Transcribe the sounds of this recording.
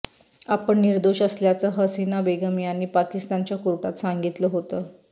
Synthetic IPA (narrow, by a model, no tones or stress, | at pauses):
apəɳniɾd̪oɕəsljat͡səɦəsinabeɡəmijaniːpakist̪ant͡ɕjakuɾʈat̪saŋɡit̪ləɦot̪ə